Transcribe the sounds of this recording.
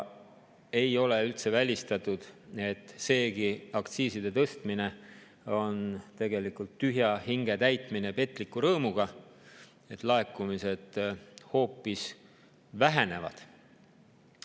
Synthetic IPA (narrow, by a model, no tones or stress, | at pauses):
e̞jo̞le̞ylt̪se̞vælʲist̪ɑt̪ˑud̪̥e̞t̪ːˑse̞ːɡiɑkt̪siːsid̪e̞t̪ɤst̪mine̞ | o̞nt̪e̞ɡe̞likult̪ːyɦjɑhiŋɡ̥e̞t̪æjt̪ˑmine̞pe̞t̪ːˑlikːˑuɾɤːmuɡ̥ɑ | e̞t̪ˑlɑe̞kːumise̞d̪̥ho̞ːpːˑis | væɦe̞ne̞vɑ̰d̪̥